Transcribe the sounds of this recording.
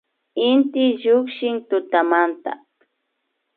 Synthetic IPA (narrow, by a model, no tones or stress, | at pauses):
ɪnt̪ɪʎʊkʃɪŋt̪ʊt̪amant̪a̰